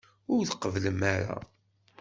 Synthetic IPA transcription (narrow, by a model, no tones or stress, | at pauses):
ʊɾθəqːəvləmaɾa̰